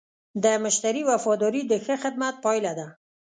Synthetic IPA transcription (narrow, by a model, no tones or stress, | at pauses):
d̪əmʊʃt̪aɾiwafɔd̪ɔɾid̪əxəxɪd̪̚mat̪̚pɔjlad̪a